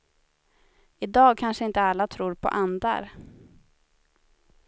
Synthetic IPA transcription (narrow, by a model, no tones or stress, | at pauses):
ɪd̪ɑːɡ̚kʰanʂəɪnt̪əalːat̪ʰɾuːɾpʰɔ̰ʔand̪a̰ɾ